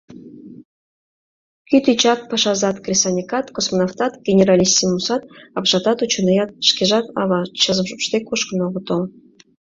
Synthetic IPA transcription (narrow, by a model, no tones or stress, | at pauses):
kʲyt̪it͡ɕɑt̪̚pɑʃɑzɑt̪krʲisɑnʲikɑt̪kosmonoft̪ɑt̪ɡʲenʲerɑlʲisʲtʲimusɑt̪̚ɑpʒɑt̪ɑt̪ut͡ɕŏnejɑt̪ʃkʲeʒɑt̪ɑ̰βɑt͡ɕəzəmʃupʃt̪ekuʃkə̆noʁə̆t̪ol